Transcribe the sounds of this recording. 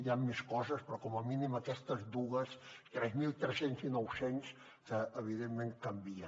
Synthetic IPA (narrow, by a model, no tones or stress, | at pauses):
ʎamːeskɔzəspɾɔkɔməminiməkɛst̪əzd̪uɣəst̪ɾɛzmilˠt̪ɾɛsenzmilˠnɔwsens | əəβ̞iðemːeŋkəmbiə